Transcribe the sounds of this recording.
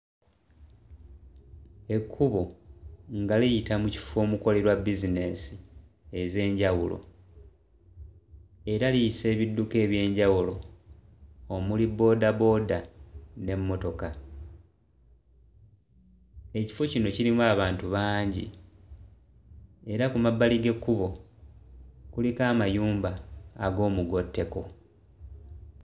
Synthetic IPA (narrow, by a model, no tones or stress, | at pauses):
e̞kʰːuβo̞ŋɡalijitamuci̥fo̞ːmuko̞le̞ɾwabizine̞si | eze̞ːɲɟawṵlʔo̞̰ | e̞ɾaliise̞ːβidːuke̞ːβje̞ːɲɟawulo̞ | mulibo̞ːdabo̞ːdane̞mːo̞to̞ka | e̞ci̥fo̞cino̞ciɾimwaːβaːntuβaːɲɟḭ | e̞ɾakumabːaliɡe̞kːuβo̞ | kulikaːmajuːmbaːɡo̞ːmuɡo̞tːe̞ko̞